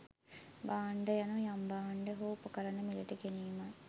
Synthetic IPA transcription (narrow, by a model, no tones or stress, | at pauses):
baːɳɖəjanujambaːɳɖəɦoːpəkəɾɐnːəmiləʈəɡeniːma